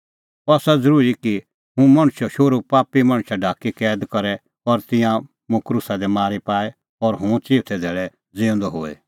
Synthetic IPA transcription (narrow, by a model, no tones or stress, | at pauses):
ɔːsad͡zɐɾuːɾiki | ɦũmɐɽ̃ʃɔʃoːɾupaːpimɐ̃ɽ̃ʃaɖʱaːkikɛːd̪kɐɾɛ | ɔɾt̪ɪ̃jã | mũkɾʊsad̪ɛmaːɾipaːɛ | ɔɾɦũt͡siːb̚t̪ʰɛd̪ʱɛːɭɛ | d͡zɪːʊ̃nd̪ɔɦoːḛ